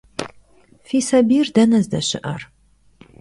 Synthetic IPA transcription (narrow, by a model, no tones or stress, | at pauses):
fiːsɐbiːrdɐnɐzdɐɕɪ̰ʔɐr